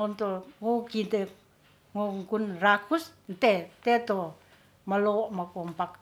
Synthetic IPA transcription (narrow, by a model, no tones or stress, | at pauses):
ɔnt̪oŋukint̪e | ŋuŋkunrakusnt̪ɛt̪ɛt̪o | məloʔmakɔmpak